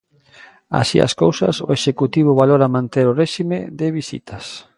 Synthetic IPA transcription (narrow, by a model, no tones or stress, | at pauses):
a̰sḭa̰skowsɐ̰so̰eʃekut̪iβ̞ʊβaloɾamãnt̪eɾoreʃimeðɪβisḭt̪ʰɐs